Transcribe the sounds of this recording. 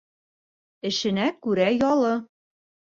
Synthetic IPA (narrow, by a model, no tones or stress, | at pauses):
ɘ̆ʃɘ̆nækʉɾæjɒlˠɤ